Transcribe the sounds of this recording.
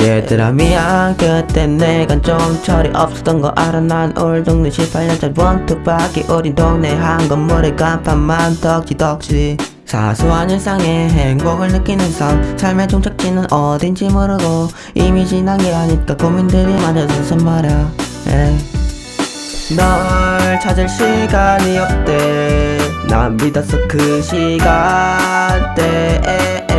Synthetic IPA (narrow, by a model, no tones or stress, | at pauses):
jetɯɾa̰miakɯt͈enneɡant͡ɕomt͡ɕʰʌɾiʔʌp̚s͈ɯ̥tʌnɡʌʔaɾɯnːanoɭdoŋnɯɕʰipʰaɭɲʌnt͡ɕ͈ʌnpʌnt͈ʰɯp͈ak͈iʔɯɾindoŋneɦanɡʌnmɯɾɯkampʰanmantʌk̚t͡ɕitʌk̚t͡ɕ͈i | sʰa̰sʰoaɲɯns͈ʰaŋeɦeŋɡoɡɯɭnɯk͈inɯnsʰʌŋsʰaɭmet͡ɕoŋt͡ɕʰak̚t͡ɕ͈inɯnʔʌdind͡ʑimɯɾɯɡo | imid͡ʑinaŋɡeɦaɲik͈akomindɯɾimad͡ʑasʰʌsʰɯnmaɾjʌje | nʌɭt͡ɕʰad͡ʑɯɭɕʰiɡaɲiʌk̚t͈e | na̰mːidʌs͈ʰɯkɯɕʰiɡa | nt͈e